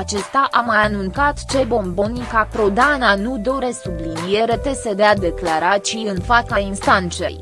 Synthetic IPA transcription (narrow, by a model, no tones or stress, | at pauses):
at͡ʃe̞st̪aʔamajanunt̪sat̪t͡ʃe̞bo̞mbo̞nikakɾo̞d̪ananud̪o̞ɾe̞sublinije̞ɾe̞t̪e̞se̞d̪ead̪e̞klaɾat͡ʃijɨnfat̪sainst̪ant̪se̞̰j